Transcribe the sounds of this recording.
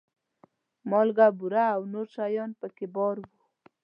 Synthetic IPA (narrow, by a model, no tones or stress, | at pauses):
mɑlɡabuɾaːwnoɾʃajɑnpəkebɔɾwu